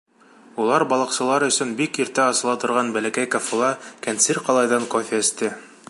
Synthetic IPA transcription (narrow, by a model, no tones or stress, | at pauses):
ulˠɑɾbɑlˠɑqsɤ̆lˠɑɾɵ̆sɵnbikiɾt̪æɑsɤ̆lˠɑt̪ŏɾʁɑnbælækæjkafulˠɑkænt̪sɘɾqɑlˠɑjðɑŋkofʲeɘ̆st̪ɘ